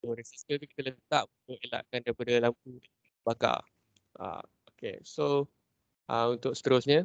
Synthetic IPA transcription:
oɾəsisk̪əlt̪ukit̪ələt̪aʔbuəʔela̰ʔkandaɾipadalampu | b̥aka̰ | a̰ | okḛso | ʔaunt̪ʊk̚sə̥t̪əɾʊsɲə

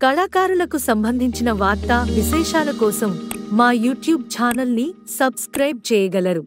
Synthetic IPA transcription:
kɐɭaːkaːɾulɐkusɐmbʱɐnd̪ʱiɲt͡ʃinɐʋaːɾt̪aʋiʃɛːʃaːlɐkɔːsɐmːaːjuːʈjuːb̚t͡ʃaːnɐlnisɐbskɾɐjb̚t͡ʃɛːjɐɡɐlɐɾu

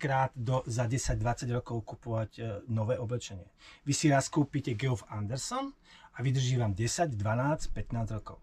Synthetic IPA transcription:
kɾaːd̪d̪ɔzaɟɛsaɟd̪ʋat͡saɟɾɔkɔʊkupɔʋaɟnɔʋɛːʔɔblɛt͡ʃɛɲɪɛʋisiɾaskuːpiːcɛɡɛufand̪ɛɾsɔn | aʋid̪r̩ʒiːʋamɟɛsaɟd̪ʋanaːt͡scpɛt̪naːzɾɔkɔʊ

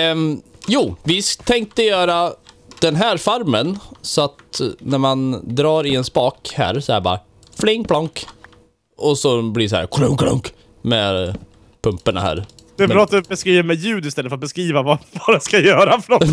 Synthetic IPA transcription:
juːvɪst̪ʰɛŋk̚t̪əjœːɾad̪̥ɛnɦæːɾfaɾmənsɔat̪næɾmand̪ɾɑːɾɪɛnspɑːkhæ̰ːɾsɔɛæɾɪbɑ̰ːa | flɪŋpʰlaŋk | ɔsɔbliːsɔhæ̰ɾkʰlɵŋkʰlʊ̰ŋk | mɛ | pʰɵmpəɳa̰hæ̰ːɾ | d̪̥ɛɾɑːt̪bɛskɾiːvəmɛjʉ̟ːd̪ɪst̪ɛlːəfœɾat̪bɛskɾiːvavavad̪ɛnskajœːɾafœnɔ

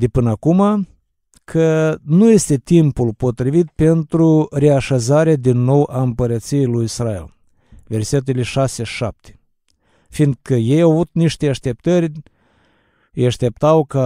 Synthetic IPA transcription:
d̪epɨnəakuma | kʰənuje̞st̪e̞t̪impulpo̞t̪ɾivit̪̚pe̞nt̪ɾure̞aʃazaɾead̪inːo̞wʔaɨmpəɾət̪sijejlujisraḛl | ve̞rse̞t̪̬eleʃase̞ʃʃap̚t̪ʰe̥ | find̪̚kəje̞jawavut̪̚niʃt̪eaʃt̪e̞p̚t̪ərʲ | jaʃt̪e̞p̚t̪awka

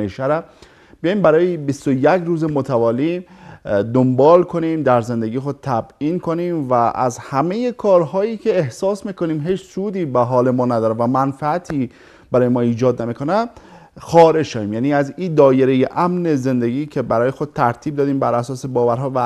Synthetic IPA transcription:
eʃæɾæ | b̥eijɑjimbæɾɒːjebist̪ojecɾuːzemot̪ʰævɒːli | d̪ombɒːlkʰo̞niːmd̪æɾze̞nd̪eɡiːjexo̞d̪̚t̪ʰæbiːnkʰo̞niːmvæʔæ̰zhæmejekʰɒːɾɦɒːjiːcʲʰe̞ːhsɒːsmiːko̞niːmɦiːt͡ʃsuːd̪iːbæɦɒːlemɒːnæd̪ɒːɾevæmænfææt̪ʰiː | bæɾɒːjemɒːiːd͡ʒɒːd̪nemiːkʰo̞næ | xɒːɾe̞d͡ʒʃæviːmjæːniːæziːnd̪ɒːjeɾejeʔæmne̞ze̞nd̪eɡiːcʰe̞bæɾɒːjexod̪̥̚t̪ʰæɾt̪ʰiːb̚d̪ɒːd̪iːmbæɾæsɒːsebɒːvæɾɦɒːvæ

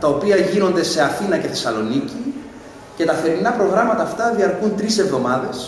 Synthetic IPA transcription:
t̪ɐopiɐʝino̞nd̪e̞se̞ɐθinɐce̞θe̞sɐlo̞nici | ce̞t̪ɐθe̞ɾinɐpɾo̞ɣɾɐmɐt̪ɐːft̪ɐðiɐɾkunt̪ɾise̞vðo̞mɐðes

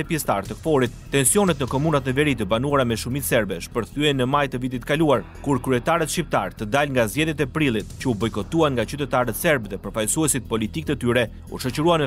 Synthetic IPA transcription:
ɛpjɛst̪aɾt̪əkfɔɾit̪̚ːɛnsjɔnɛt̪nəkɔmunat̪nəvɛɾit̪əbanuaɾamɛʃumit̪sɛɾbɛʃpəɾθyɛnːəmajt̪əvit̪it̪ːəkaluaɾ | kuɾkɾyɛt̪aɾət̪ʃcip̚t̪a̰ɾt̪əd̪alŋɡazɟɛðjɛt̪̬ɛpɾilˠit̪̚cəubɔjkɔt̪uanŋɡat͡ʃyt̪ɛt̪aɾət̪sɛɾbðɛpəɾfajsuɛsit̪̚pɔlit̪ik̚t̪ət̪yɾɛ | ṵʃɔt͡ɕəɾuanɛ

